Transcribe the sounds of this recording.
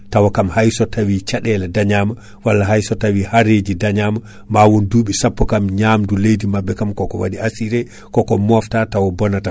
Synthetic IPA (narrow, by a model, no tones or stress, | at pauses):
tawɔkamhajsɔtawit͡ʃaɗɛlɛdaɲama | walːaɦajsɔtawihaɾed͡ʒidaɲaːma | maːwɔnduːɓisapːɔkamɲamdulejdimabːɛkamkɔkɔwa̰diasiɾɛ | kɔkɔmɔftatawɔbɔnata